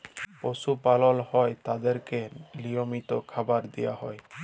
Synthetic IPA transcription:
posupalɔlhɔet̪ad̪eɾkelijomit̪okʰabaɾd̪ejaɦɔe

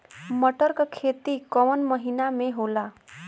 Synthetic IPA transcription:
məʈəɾkkʰet̪ikəʋənməɦinameɦola

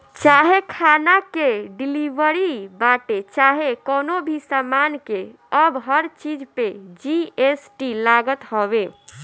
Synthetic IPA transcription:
t͡ʃaɦekʰanakeɖilibəɾibaʈet͡ʃaɦekɔnobʱisamanke | əbɦəɾt͡ʃid͡ʒped͡ʒiesʈilaɡət̪ɦɔbe

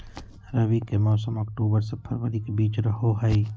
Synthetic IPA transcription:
ɾəʋikemɔːsəmɔːkʈoːbəɾsepʰəɾʋəɾikebiːt͡ʃɾəɦoɦəi

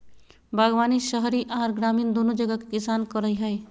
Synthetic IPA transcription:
bʱaɡʋaːniʃəɦɾiʔaɾɡɾaːmiːnd̪onod͡ʒəɡake̥kɪsaːnkɔɾəjɦəe

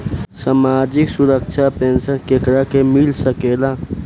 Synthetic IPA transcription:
samaːd͡ʒɪksʊɾəkʃʰapẽnsənkekɾakemilsəkeːla

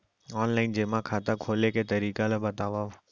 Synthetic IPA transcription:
ɔːnlaːɪnd͡ʒeːmãkʰaːt̪akʰoːleket̪əɾiːkalabət̪aːʋaːo

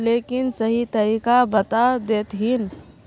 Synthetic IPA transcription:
leːkɪnsəɦit̪əɾiːkabət̪ad̪eːt̪ɦin

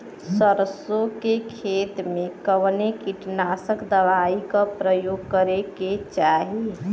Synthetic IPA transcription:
səɾəsokekʰeːt̪mẽkəʋnekiʈnasəkd̪əʋaikapɾəjoːɡ̚kəɾeket͡ʃaːɦi

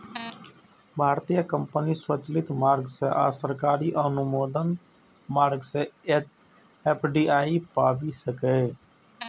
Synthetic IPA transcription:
bʱaːɾt̪ijakə̃mpəniswət͡ʃlɪt̪maːɾɡseʔa̰ːsəɾkaːɾiʔənʊmoːd̪ən | maːɾɡse | eːpʰɖiːaːipaːbisəkeː

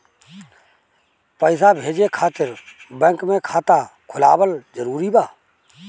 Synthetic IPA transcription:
pəɪsabʱeːd͡ʒekʰaːt̪ɪɾbə̃ŋkmẽkʰaːt̪akʰʊlaːbəld͡ʒəɾuːɾibaː

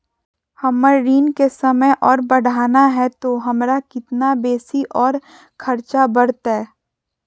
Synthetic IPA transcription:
hɐməɾɾiːnkesɐməjʔɔːɾbɐɽ̤ʱaːnaɦɛt̪oɦɐmɾakɪt̪nabeːsiʔɔːɾ | kʰɐɾt͡ʃabɐɽt̪ɦɛː

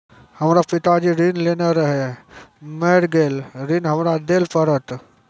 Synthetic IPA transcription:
həmɾapɪt̪ad͡ʒiɾinleːnaɾəɦe | meɽɡeːlɾinɦəmɾad̪eːlpʰəɾət̪

